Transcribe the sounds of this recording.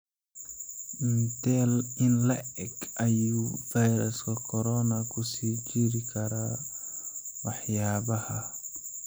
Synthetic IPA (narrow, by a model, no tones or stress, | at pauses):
nt̪ɛlɪnlɐʔɛɡɐjuvajɾɐskɐkʰɔɾɔnakʰusiːd͡ʒiɾikʰɐɾa | waħjaːbɐhɐ